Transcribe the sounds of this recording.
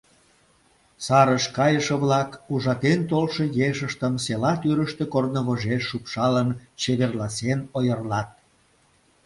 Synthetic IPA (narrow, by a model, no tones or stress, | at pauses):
sɑɾəʃkɑjəʃə̆βlɑkuʒɑt̪ent̪olʃəjeʃəʃt̪əmselɑt̪yɾəʃt̪ekornəβoʒeʃːupʃɑlənt͡ɕeβerlɑsenojərlɑt̪̚